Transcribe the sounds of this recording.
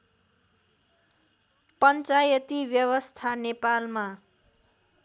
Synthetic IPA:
pʌnt͡sajʌt̪ibjʌwʌst̪ʰanepalma

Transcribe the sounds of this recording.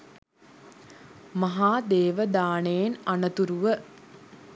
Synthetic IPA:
maɦaːd̪eːʋəd̪aːnejenanət̪uɾuʋə

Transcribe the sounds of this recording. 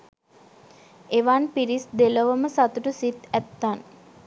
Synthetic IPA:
eʋanpiɾisd̪eləʋəməsat̪uʈəsit̪æt̪ːan

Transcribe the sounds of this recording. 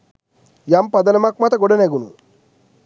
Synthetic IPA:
jampɐd̪ɐnɐmak̚maːt̪ɐɡɔɽɐneɡunu

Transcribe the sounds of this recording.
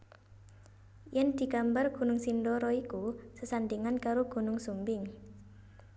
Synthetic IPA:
jɛnd̪̥i̤kambarɡ̥ṳnʊŋsindɔɾɔikusəsand̪iŋankaɾoɡ̥ṳnʊŋsumbɪŋ

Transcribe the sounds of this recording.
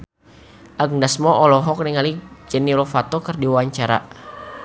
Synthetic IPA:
ʔaɡ̚dasmɔɔlɔɦɔk̚niŋalid͡ʒəniɾɔfat̪ɔkərdiwaɲt͡ʃaɾa̰

